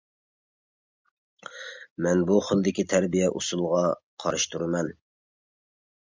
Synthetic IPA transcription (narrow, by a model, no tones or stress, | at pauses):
mɛnbuχəlˠd̪ɪkʲit̪ʰæɾbijɛʔusulˠʁɑqʰɑ̰ɾɨʃt̪ʰuɾɨmɛn